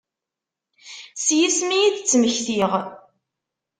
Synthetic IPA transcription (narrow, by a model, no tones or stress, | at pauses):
sjismijiðt͡sːməçθiʁ